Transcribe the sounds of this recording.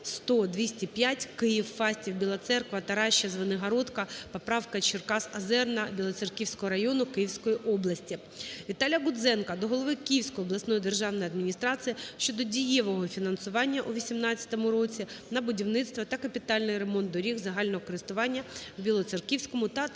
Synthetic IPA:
st̪ɔd̪ʲʋʲisʲtʲipʲjatʲkɪjiwfɑsʲtʲiwbʲilˠɐt̪sɛrkʋɐt̪ɐɾɑʃːɐzʋɐnɪɦɐɾɔt̪kɐpɔpɾɑwkɐt͡ʃɪrkɑsɐzɛrnɐbʲilˠɔserkʲiwsʲkɔɦɔɾɐjɔnʊkɪjiwsʲkɔjiʔɔblˠɐsʲtʲi | ʋʲit̪ɑlʲjɐɡʊd̪zɛnkɐd̪ɔɦɔlˠɔʋɪkiiwsʲkɔjiɔblˠɐsnɔjid̪erʒɑwnɔjiɐd̪mʲinʲist̪ɾɑt͡ssʲijɐʃt͡ʃɔd̪ɔdʲijɛʋɔɦɔfʲinɐnsʊʋɑnʲːɐʔuʋʲisʲimnɑt͡st͡sʲːɐ̥t̪ɔmʊɾɔt͡sʲinɐbʊdʲiwnɪt̪st̪ʋɐt̪ɐkɐpʲit̪ɑlʲnɪjremɔnt̪̚d̪ɔɾʲiɣzɐɦɑlʲnɔɦɔkɔɾɪst̪ʊʋɑnʲːɐwbʲilˠɔt̪serkʲiwsʲkɔmʊt̪ɐ

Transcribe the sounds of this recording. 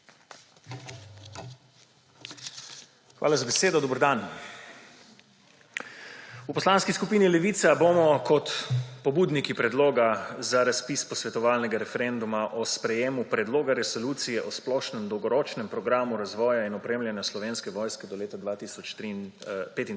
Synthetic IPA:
xʋa̰ːlazabɛseːd̪ɔd̪oːbəɾd̪an | upɔslanskiskupiːnilɛʋiːt̪sabomɔkɔt̪pɔbuːd̪nikipɾɛd̪loːɡazaɾaspispɔsʋɛt̪ɔʋaːlnɛɡaɾɛfɛɾend̪umaʔɔspɾɛjeːmupɾɛd̪loːɡaɾɛsɔluːt̪sijɛʔɔsplɔːʃnɛmd̪ɔwɡɔɾɔːt͡ʃnɛmpɾɔɡɾaːmuɾazʋɔːjainɔpɾeːmljɛnjaslɔʋeːnskɛʋɔːjskɛd̪ɔleːt̪ad̪ʋaːt̪isɔt͡ʃt̪ipeːt̪in

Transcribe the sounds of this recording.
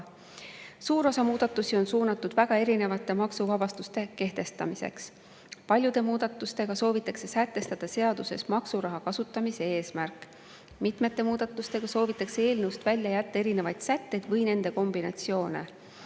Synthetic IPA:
suːɾo̞sɑmuːd̪̥ɑt̪ːˑusio̞nsuːnɑt̪ːˑud̪̥væɡ̥ɑe̞ɾine̞vɑt̪ːˑe̞mɑksuvɑb̥ɑst̪ust̪e̞ke̞ht̪e̞st̪ɑmise̞̰ks | pɑlʲjud̪̥e̞muːd̪̥ɑt̪ːˑust̪e̞ɡ̥ɑso̞ːvit̪ːˑɑkse̞sæt̪ːˑe̞st̪ɑd̪̥ɑse̞ɑd̪̥use̞̰smɑksuɾɑɦɑkɑsut̪ːˑɑmise̞eːsmærkːˑ | mit̪me̞t̪ːˑe̞muːd̪̥ɑt̪ːˑust̪e̞ɡ̥ɑso̞ːvit̪ːˑɑksee̞ːlneust̪vælʲjɑjæt̪ːɑe̞ɾine̞vɑjd̪̥sæt̪ːe̞jd̪̥vɤjne̞nd̪̥e̞ko̞mb̥inɑ̰t̪sio̞ːne̞̰

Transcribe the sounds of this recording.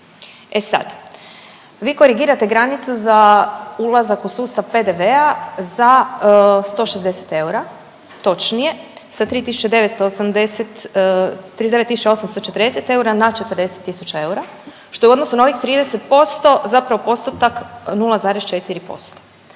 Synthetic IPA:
e̞sa̰d̪ | ʋiːko̞ɾiɡiːɾat̪e̞ɡɾanit̪suzaulˠazakusuːst̪aʋpe̞d̪e̞ʋe̞aza | st̪o̞ːʃezd̪e̞se̥t̪e̞uɾa | t̪o̞t͡ʃnije̞sat̪ɾiːt̪isu̥t͡ʃed̪e̞ʋet̪st̪oːsamd̪eset̪ː | ɾiːd̪eet̪ːisut͡ʃao̞samst̪ot͡ʃe̞t̪ɾd̪eset̪e̞uɾanat͡ʃe̞t̪əɾd̪e̞set̪ːisut͡ʃae̞uɾa | ʃt̪oeuod̪no̞sunao̞ʋixt̪ɾiːd̪ese̞t̪po̞st̪o̞zapɾaʋo̞po̞st̪ot̪aknulˠazaːɾest͡ʃe̞t̪iɾipo̞̰st̪o̥

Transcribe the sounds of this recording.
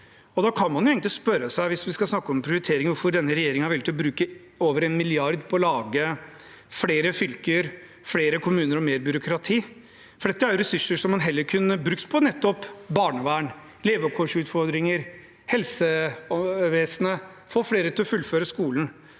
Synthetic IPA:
ɔd̪ɑkʰɑnmɑnjʊeːɡŋt̪ɪspœɾːəsæɪʋɪsʋɪskɑsnɑkːəɔmɛmpʰɾɪʊɾɪt̪ʰeːɾɪŋəʋʊɾfɔɖ̪ɛnːəɾɛjeːɾɪŋnhɑɾʋɛlt̪ɪɔbɾʉːkə | oːʋəɾɛnmɪlɪɑɾd̪pʰɔɔlɑːɡə | fɽeːɾəfʏlkəɾ | fɽeːɾəkʰʊmʉːnəɾɔmeːɾbʏɾʊkʰɾɑt̪ʰiː | fɔɖɛt̪ːəæɾjʊɾɛsʉʂːəʂɔmːɑnɦɛlːəɾkʰʉnːəbɾʉkt̪pʰɔnɛt̪ːɔpbɑːɳəʋæːɳ | leːʋəɔp̚kʰɔʂʉːt̪fɔɾd̪ɾɪŋəɾ | hɛlsə | ʋeːsənə | foːfɽeːɾət̪ʰɪlɔfʉlːføːɾəskuːlən̩

